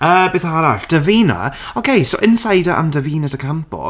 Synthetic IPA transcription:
əːbeːθaɾaɬd̥əviːna̰ | ɔkʰejsowʔɪnsajdəʔa̰mdəviːnadʰəkʰampʰɔ̰

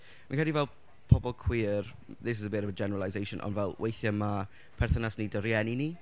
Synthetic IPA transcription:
mankʰadivɛlˠ | pʰɔbɔlˠkʰw̥iːr | ðɪs̬ɪzəbeːɾəbəd͡ʒɛnəɾəlˠazejʃɔnʔɔ̰nvɛlˠwʔejθjəma | pʰɛrθənasnidəɾjɛnini

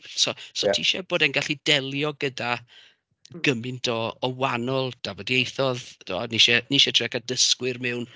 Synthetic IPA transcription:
sɔsɔtʰiʃɛboːdɛnɡaɬidɛlˠjɔɡəda | ɡ̥əmɪntʰɔɔwanɔlˠd̥avɔdiejθɔðd̥ʰɔniʃɛniʃɛtʰɛkadəskwɪrmɛwn

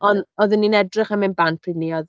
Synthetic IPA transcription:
ɔnɔðɪnːinɛdrɪχamɪnbantʰridniɔð

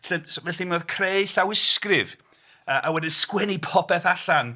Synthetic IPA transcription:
ɬənsvɛɬimɔðkʰrejɬawɪskrɪv | əʔawɛdɪnskwɛnipʰɔpʰɛθaɬan

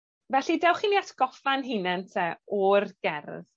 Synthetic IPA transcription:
vɛɬidɛwχiniatʰɡ̥ɔfanɦɪnɛntʰɛɔrɡ̥ɛrð

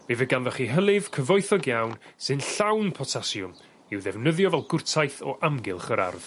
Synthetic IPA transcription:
mivəɡanðɔχiɦəlˠɪv̥kʰəvɔjθɔɡjawnsɨnɬawnpʰɔtʰasjʊm | ɪwðɛvnəðjɔvɛlˠɡʊrtʰajθɔ̰ʔamɡɪlˠχəɾa̰rð

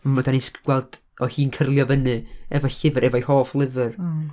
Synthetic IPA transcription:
madanɪskʰɡ̥wɛlˠd̥ | ɔhiːnkʰərlˠjɔvənɨɛvɔɬɪvɨɾʔɛvɔihoːflˠɪvɨr

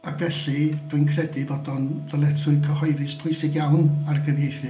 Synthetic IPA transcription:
akvɛɬid̥winkʰrɛdivɔdɔnðəlˠɛtʰʊɨkʰəhɔɨðɨspʰʊɨsɪɡjawnarɡəvjejθɨ

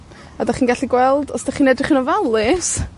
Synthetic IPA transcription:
adaχiːnɡaɬiɡwɛlˠdɔsd̥aχiːnɛdrɪχinɔvalˠɪs

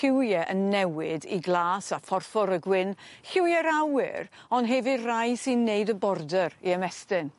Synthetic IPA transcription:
ɪwjɛʔənːɛwɪdiɡlˠaːsafɔrfɔɾəɡwɪnhɪwjɛɾawɪ̰ɾ | ɔnɦɛvɨrajsɨnːeɨdəbɔrdəɾiəmɛstɪn

